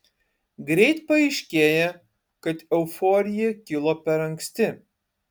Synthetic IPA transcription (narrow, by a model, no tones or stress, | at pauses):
ɡɾʲɛɪt̪pɐɛɪʃʲkʲeːjɛ | kɐt̪ɛʊfoːɾʲɪjɛkʲɪlˠoːpʲɛɾɐŋʲksʲt̪ʲɪ